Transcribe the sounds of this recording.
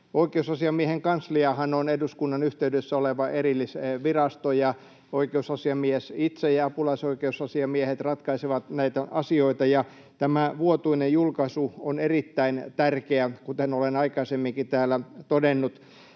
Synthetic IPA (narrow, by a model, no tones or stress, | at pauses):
oikeusɑsiɑmieheŋkɑnsliɑhɑnoneduskunːɑnyht̪eydøsːæoleʋɑʔeɾilːiseʋirɑst̪ojɑ | oikeusɑsiɑmiesit̪sejɑɑpulɑisoikeusɑsiɑmiehet̪rɑt̪kɑiseʋɑt̪næit̪æʔɑsioit̪ɑjɑ | t̪æmæʋuot̪uinejjulkɑsuonerit̪ːæint̪ærkeækut̪enolenɑikɑisemːiŋkit̪æːlːˑæt̪odenːut̪